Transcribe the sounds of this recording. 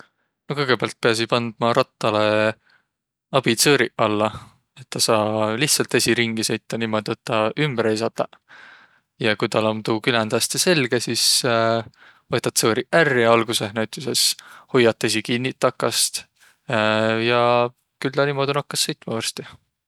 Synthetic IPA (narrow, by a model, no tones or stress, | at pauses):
nokɤjɡ̥e̞beɑlt̪̚pe̞ɑs̬ipɑnd̪̥̚mɑɾɑt̪ːɑle | ɑb̥it̪sɤːɾiʔɑlːɑ | e̞t̪ːɑsɑːliht̪sɑlt̪esʲiɾiŋɡ̥ise̞jt̪ːɑniːmo̞d̪̥iot̪ːɑʔymb̥æɾejsɑd̪̥ɑ | jɑkujt̪ɑlomt̪uːkylænd̪̥ɑst̪ese̞lɡ̥esis | vɤt̪ːˑɑt̪sɤːɾiʔærːiɑlɡ̥use̞ɦnæwt̪ːˑise̞shujːɑt̪ˑːes̬ʲikinːit̪ːɑkːˑɑst̪ | jɑ | kylːɑniːmo̞d̪ʲonɑkːɑsːɤ̞jt̪ːˑmɑvɑrst̪i